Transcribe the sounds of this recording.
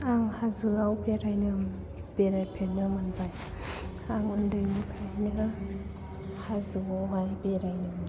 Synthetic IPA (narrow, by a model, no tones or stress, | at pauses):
aŋhazɯawpeɾajnɯŋ | beɾajpʰenɯmanbaj | aŋɯndɯjnikʰajnɯ | hazɯawɦajbeɾajnɯm